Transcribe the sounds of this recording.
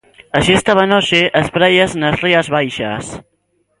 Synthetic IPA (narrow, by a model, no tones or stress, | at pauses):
əʃiəst̪aβanot͡ʃeʔəspɾɛʎəznəzriəzβajʃə̰s